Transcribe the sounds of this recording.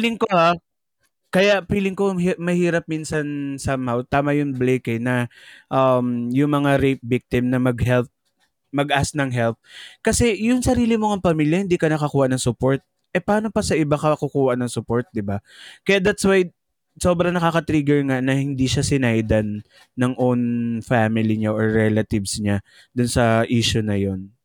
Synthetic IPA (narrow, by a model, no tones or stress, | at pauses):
pilɪŋkoha | kɐjaʔpiːlɪŋkohmɐhiːɾɐp̚minsɐnsamhawt̪aːmɐjʊŋblejkɛnɐʔɐmjʊŋmɐŋaɾejp̪̚bɪk̚t̪ɪmnɐmɐɡhɛlt̚ | mɐɡʔasnɐŋɦɛlt̪̚kɐsɛjʊŋsɐɾiːlɪmoɐŋpɐmiljɐhɪnd̪iːkɐnɐkɐkuːhɐʔnɐŋsʊpo̞ɹt̪̚ | ʔɛpɐaːno̞pɐsɐʔɪbakɐkukuːhɐʔnɐŋsʊpoɹt̪̚d̪ɪbakɐjaʔd̪at̪swaj | soːbɾɐŋnɐkakɐt̪ɾiːɡɛɹŋanɐhɪnd̪iʃasɪnajd̪ɐnː | ɐŋʔonfamɪliɲaʔoɹɹɛlɐt̪ɪvsɲa | d̪ʊnsɐʔiːʃʊnɐjo̞n